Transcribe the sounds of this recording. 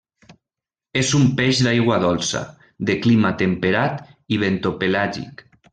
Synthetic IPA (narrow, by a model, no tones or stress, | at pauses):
ezumpeʒðajɣwaðɔlsa̰ | d̪eklimat̪empeɾat̪iβent̪opelaʒḭk